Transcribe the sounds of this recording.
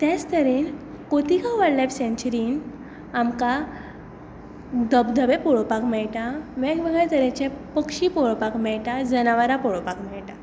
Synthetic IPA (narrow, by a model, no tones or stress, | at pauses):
t̪jat͡st̪əɾen | kot̪ikãʋəɾlapsẽnt͡ɕɾiːn | amka | d̪əbd̪ʱəʋepɔɭopakmɛɭʈaʋɛ̃kbəɡət̪əɾẽt͡ɕẽpəkʂiːpoɭopakmɛɭʈad͡zənaʋaɾapɔɭopakmɛɭʈa